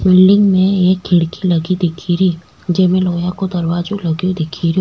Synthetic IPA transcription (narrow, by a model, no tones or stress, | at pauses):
bɪlɖɪ̃ŋɡmẽeːkʰːɪɽkilɐɡid̪ɪkʰiɾi | d͡ʒɛːmẽloːjãkod̪ɐɾwaːd͡ʒolɐɡjod̪ɪkʰiɾjo